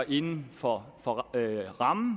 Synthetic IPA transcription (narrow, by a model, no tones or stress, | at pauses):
ʔe̝nn̩fɒfɒ̽ʁɑmn̩